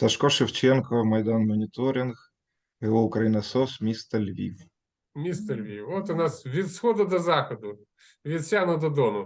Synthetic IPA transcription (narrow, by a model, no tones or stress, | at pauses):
t̪ɐʃkɔʃɪwt͡ʃɛnkɔmɐjd̪anmɔnʲit̪ɔɾʲinx | ɛɔʊkɾɐjinɐsɔsmʲist̪ɐlʲʋʲḭw | mʲist̪ɐlʲʋʲiwɔt̪ʊnɑsʋʲid̪sxɔd̪ɐd̪ɔzɑxɔd̪ʊ | ʋʲid̪sʲanɔd̪ɔd̪ɔnʊ